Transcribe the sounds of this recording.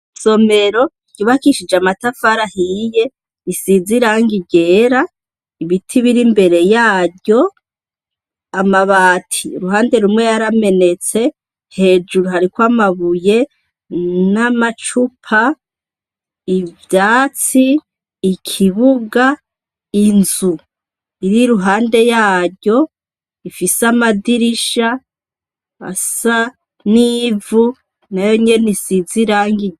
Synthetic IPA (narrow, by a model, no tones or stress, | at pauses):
so̞me̞ɾo̞ | ɟuβakiʃid͡ʒamatafaɾahije̞ | isiziɾaŋɡiɟe̞ːɾa | iβitʰiβiɾimbe̞ɾe̞jaːdjo̞ | amaβaːtʰiɾuɦaːnde̞ɾumŋwe̞jaɾame̞ne̞t͡se̞ | he̞ːd͡ʒuɾuhaɾikwamaβuje̞ | namat͡ʃupʰa | ivjaːt͡siː | kʰiβuɡa | inzu | iɾiɾuɦaːnde̞jaːɾɟo̞ | ifisamadiɾiʃa | a̰sa | niːvu | najo̞ɲe̞nisiziɾaːŋɡi